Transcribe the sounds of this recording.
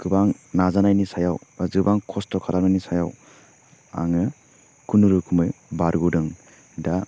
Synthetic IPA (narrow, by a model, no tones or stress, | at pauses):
kɯbaŋnazanajnisajawzɯbaŋkʰɔstɔkʰaɾaɾmajnisajaw | a̰ŋɯ | kunuɾɯkʰumɯjbaɾɡudɯŋ | da